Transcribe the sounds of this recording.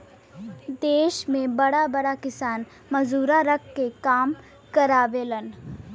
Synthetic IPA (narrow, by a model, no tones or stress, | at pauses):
d̪eːʃmẽbɐɽabɐɽakɪsaːn | mɐzuːɾaɾɐkʰːekaːm | kɐɾaːʋeːlən